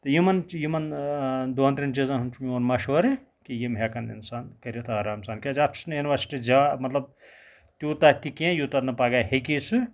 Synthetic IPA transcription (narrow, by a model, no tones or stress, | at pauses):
t̪ɐjimɐnjimɐnd̪oɐnt̪ɾʲint͡ʃizɐnɦunt͡ʃʰumjiɐnmɐʃʋɐɾẽ | kijimɦekɐnḭnsaːnkɐɾet̪ʰaɾaːmsaːnkʲad͡ʒɐʈʰsnjuniʋɐɾsi̥ʈid͡ʒaːmɐt̪lɐb̚ | t̪ʲjuːt̪aːt̪ikẽjut̪ɐnɐpaːɡaːɦekisɨ